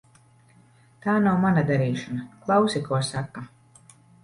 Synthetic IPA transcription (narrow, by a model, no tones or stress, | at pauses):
t̪aːnawmanad̪aɾiːʃɔnaklˠawsikɔɔsakːa